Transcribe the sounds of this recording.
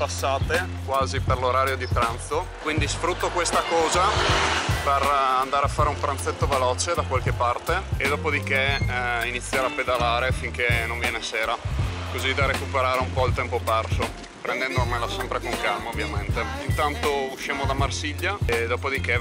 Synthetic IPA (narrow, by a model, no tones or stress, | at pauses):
pasːaːt̪e | kwaːziperloɾaːɾjod̪ipɾant̪sokwind̪isfɾut̪ːokwest̪akɔːza | perand̪aɾeafːaːɾeumpɾant̪set̪ːovelɔːt͡ʃed̪akwalkepːart̪eed̪ɔːpod̪ikeinit̪sːjaɾapːed̪alaːɾefiŋkenoɱvjɛːneseːɾakozid̪aɾekupeɾaːɾeumpɔilt̪ɛmpopɛrso | pɾend̪ɛnd̪omelasɛmpɾekoŋkalmaovːjament̪eint̪ant̪ouʃːaːmod̪amarsiʎːad̪ɔːpod̪ike